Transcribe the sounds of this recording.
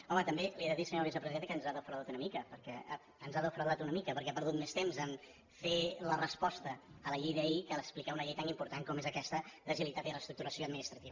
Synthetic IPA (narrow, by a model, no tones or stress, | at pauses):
ɔmət̪əmbelieðəðisəɲoɾβizəpɾəziðenəkənzaðəfɾəðat̪unəmikəpəɾkɛə | ənzaðəfɾəðat̪unəmikəpəɾkɛapəɾðut̪mest̪emzən | felərəspɔst̪əːləʎejðəikaləksplikɛunəʎɛjt̪animpuɾt̪aŋkɔmezəkɛst̪əd̪əzilit̪at̪iələst̪ɾuk̚t̪uɾəsioəd̪minist̪ɾət̪iβə